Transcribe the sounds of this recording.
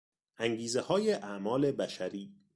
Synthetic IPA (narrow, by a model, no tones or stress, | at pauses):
ʔæŋɡiːzehɒːjeʔæʔmɒːle̞bæʃæɾiː